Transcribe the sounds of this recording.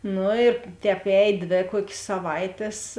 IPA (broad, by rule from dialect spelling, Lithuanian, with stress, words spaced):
ˈnʊ ɪr ˈtʲɛːp ˈɛːj ˈdʲʋʲeː ˈkuɔkʲsʲ sɐˈʋɐɪtʲeːs